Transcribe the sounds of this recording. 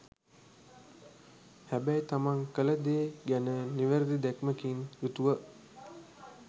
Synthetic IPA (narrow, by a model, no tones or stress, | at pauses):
hæbæjt̪amaŋkələd̪eːɡænəniʋəɾd̪id̪ækməkiŋjut̪uʋə